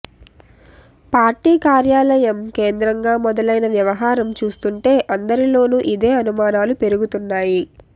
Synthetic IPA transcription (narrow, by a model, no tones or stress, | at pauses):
paːɾʈiːkaːɾjaːlɐjɐmkeːnd̪ɾɐŋɡaːmɔd̪ɐlɐjnɐʋjɐʋɐɦaːɾɐmt͡ʃuːst̪uɳʈe̞ːʔɐnd̪ɐɾilo̞ːnuʔid̪e̞ːɐnumaːnaːlupe̞ɾuɡut̪unːaːji